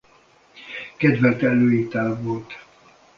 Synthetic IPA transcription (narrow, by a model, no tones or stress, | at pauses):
kɛd̪vɛlt̪ɛløːit̪aːlvolt̪